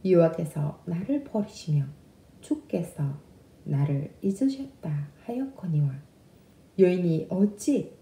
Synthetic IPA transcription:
jowak͈e̞sʰʌ̰naɾɯɭpʌɾiɕʰimjʌ | t͡ɕuk̚k͈e̞sʰʌ | naɾɯɭid͡ʑɯɕʰʌt̚t͈ahajʌkʰʌɲiwa | jʌiniʔʌt͡ɕ͈i

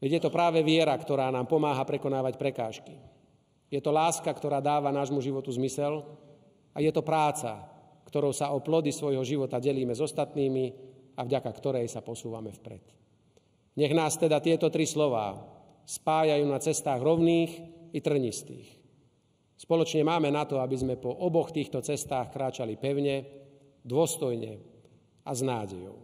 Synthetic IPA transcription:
ʋɛɟjɛt̪ɔpɾaːʋɛʋɪɛɾakt̪ɔɾaːnaːmpɔmaːɦapɾɛkɔnaːʋacpɾɛkaːʃki | jɛt̪ɔlaːskakt̪ɔɾaːd̪aːʋanaːʒmuʒiʋɔt̪uzmisɛl | ajɛt̪ɔpɾaːt͡sa̰ | kt̪ɔɾɔʊsaɔplɔd̪isʋɔjɦɔʒiʋɔt̪aɟɛliːmɛzɔst̪at̪niːmi | avɟakakt̪ɔɾɛjsapɔsuːʋa̰mɛfpɾɛ̰t̪ | ɲɛɣnaːst̪ɛd̪at̪ɪɛt̪ɔt̪ɾislɔʋa̰ː | spaːjajuːnat͡sɛst̪aːɣɾɔʊniːxit̪r̩ɦɲist̪ḭːx | spɔlɔt͡ʃɲɛmaːmɛnat̪ɔabizmɛpɔʔɔbɔxt̪iːxt̪ɔt͡sɛst̪aːxkɾaːt͡ʃalipɛʊɲɛ | d̪ʊɔst̪ɔjɲɛ̰ | aznaːɟɛjɔ̰ʊ

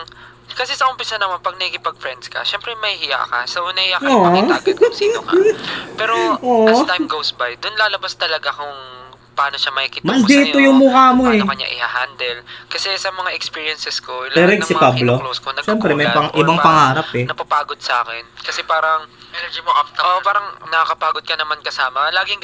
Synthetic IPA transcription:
kɐsɛsɐʊmpɪsanɐmanpɐɡ̚nɐhikɪpɐɡ̚fɾɛnd̪skɐ̰ʃɛmpɾɛmɐhɪhɪja̰kɐsɐonɐhɪjaʔoːʔdsi | pɛɾoʔoʔt̪ajmɡowsbajd̪ʊnlaːlɐbast̪ɐlɐɡakʊŋ | pʔaːnoʃamɐhikit̪mɐnd̪iːt̪ojʊŋmʊkamoɛɐɲːa̰ʔɪhaɦand̪ɛlkɐsɛsɐmɐŋaʔɛkspiːɹjɐnsɛskolɛɾɛɡsɪpablooskonɐɡʃɛmpɾɛmɐjpɐŋʔɪbaŋpɐŋaːɾɐpɛnɐpapaːɡod̪̚sɐʔa̰ːkɛnkɐsɛpaːɾɐŋɛd͡ʒiʔpaːɾɐŋnɐkɐkɐpaːɡod̪̚kɐnɐmankɐsaːmɐlaːɡɪŋ

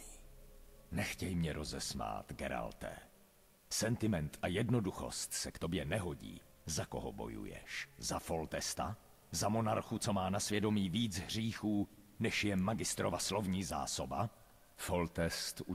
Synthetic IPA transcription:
nɛxcɛjmɲɛɾʔozɛsma̰ːt̪ɡɛɾa̰lt̪ɛ̰ː | sɛnt̪ɪmɛnt̪ʔajɛdno̞duxo̞̰st̪sɛkt̪objɛnɛɦoɟḭː | zako̞ɦo̰bo̞̰jṵjɛ̰ʃzafo̞lt̪ɛst̪a̰ | zamo̞naɾxut͡somaːnasvjɛdo̞miːviːd͡zɦr̝iːxuːnɛʃjɛmaɡɪst̪ɾovaslo̞vɲiːza̰ːsoba | folt̪ɛst̪u

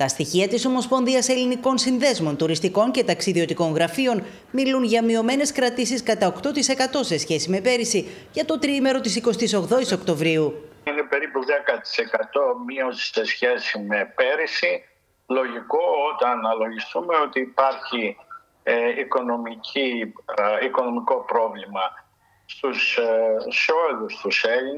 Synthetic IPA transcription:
t̪ɐst̪içiɐt̪iso̞mo̞spo̞nðiɐse̞liniko̞nsinðe̞zmo̞nt̪uɾist̪iko̞ɲce̞t̪ɐksiðio̞t̪iko̞ŋɣɾɐfio̞n | milunʝɐmio̞me̞ne̞skɾɐt̪isiskɐt̪ɐokt̪o̞t̪ise̞kɐt̪o̞se̞sçe̞sime̞pe̞ɾisi | ʝɐt̪o̞t̪ɾime̞ɾo̞t̪isiko̞st̪iso̞ɣðo̞iso̞kt̪o̞vɾiuine̞pe̞ɾipuðekɐt̪i̥se̞kɐt̪o̞miosi̥sesçe̞sime̞pe̞ɾisi | lo̞ʝiko̞ot̪ɐnɐlo̞ʝist̪umeo̞t̪iːpɐɾçi | iko̞no̞micʰi | iko̞no̞miko̞pɾo̞vlimɐ | st̪ussoeðust̪uselin

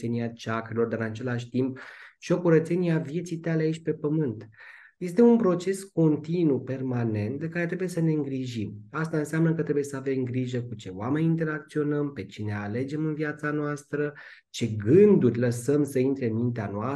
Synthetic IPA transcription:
eniat͡ʃakɾelo̞rd̪aɨɨnat͡ʃe̞laʃ̬ʲt̪imp̚ʃo̞kuɾət̪se̞niavje̞t̪sit̪aleait͡ʃʲpe̞pəmɨnt̪ | je̞st̪e̞unpɾo̞t͡ʃe̞sko̞nt̪inupe̞rmane̞nt̪̚d̪e̞kaɾe̞t̪ɾe̞buje̞səne̞ɨŋɡɾiʒimast̪aɨnseamnəkət̪ɾe̞buje̞səave̞mɡɾiʒəkut͡ʃe̞oame̞nʲint̪̬e̞ɾakt̪sio̞nəmpe̞t͡ʃine̞ale̞d͡ʒe̞mɨnviat̪sanoast̪ɾə | t͡ʃe̞ɡɨnd̪urʲləsəmsəint̪ɾe̞ɨnmint̪eanoa

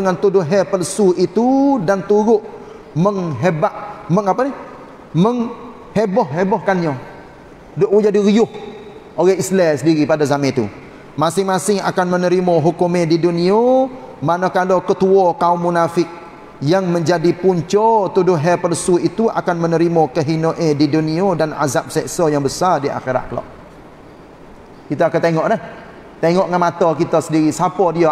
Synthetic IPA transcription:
dəŋant̪udʊɦɛpəlsuit̪udant̪uɾʊʔ | məŋɦebaʔməŋapani | məŋ | hebɔhɦebɔhkanɲɔ | doʔud͡ʒadiɣiʊh | oɣɛislɛsəndiɾipadazamɛ̃t̪ṵ | masɪŋmasɪŋa̰kanmənəɾimɔɦukumẽdidunio | manakalokət̪uɔkaumːunafɪk̚ | jaŋməɲd͡ʒadipuɲt͡ʃɔt̪udʊɦɛpərsuit̪ua̰kanmənəɾimɔkəɦinoʔediduniodana̰zap̚sɛʔsɔjaŋbəsardia̰xeɾa̰t̪̚kəlɔ̰ʔ | kit̪aːkat̪eŋɔʔlɛh | t̪eŋɔʔŋanmat̪ɔkit̪asədiɾisapɔdia

